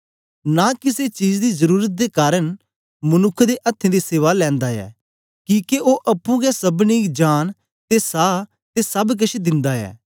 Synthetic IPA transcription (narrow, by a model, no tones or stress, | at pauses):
nakɪset͡ʃiːd͡ʒd̪izəɾuːɾət̪̚d̪ekaːɾən | mɐnʊkʰːd̪eʔɐt̪ʰːẽd̪iseːʋalɛ̃ːnd̪aɛ̰ː | kĩːkeʔoːʔɐpːũɡɛsɐbnid͡ʒaːn | t̪esaː | t̪esɐbk̬ɐʃʰd̪ɪ̃nd̪aɛ̰ː